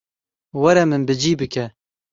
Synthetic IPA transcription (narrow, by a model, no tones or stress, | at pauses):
wɐɾɛmɨnbɨd͡ʒiːbɨkɛ